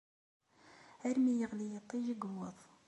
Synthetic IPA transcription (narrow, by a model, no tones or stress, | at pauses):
æɾmijəʁlijət̪ˤːiʒəɡwəðˤ